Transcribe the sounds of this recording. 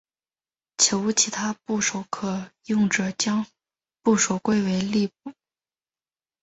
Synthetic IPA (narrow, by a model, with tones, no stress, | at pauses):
t͡ɕʰjo˧˥ʊ˧t͡ɕʰi˧˥t̪ʰa˥pu˥˩ʂo˧˥ʊkʰɤ˨˩jʊ˥˩ŋʈ͡ʂɤ˨˩t͡ɕjɑ˥ŋ | pu˥˩ʂo˨˩ʊkwe˥˩ɪwe˧˥ɪli˥˧p̚u˨˩